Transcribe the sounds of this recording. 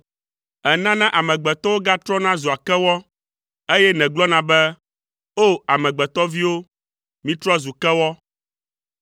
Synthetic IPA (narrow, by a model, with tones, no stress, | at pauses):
ɛ˨nã˦nã˦ʔa˨mɛ̃˨ɡ͡bɛ˨t̪ɔ˦wo˦ɡa˦t̪ɾɔ˦nã˦zu˨a˨kɛ˦wɔ˦ | e˦jɛ˦nɛ̃˨ɡ͡blɔ˦nã˨bɛ˦ | o˦a˨mɛ̃˨ɡ͡bɛ˨t̪ɔ˦vi˦wo˦ | mĩ˦t̪ɾɔ˦zu˨kɛ˦wɔ˦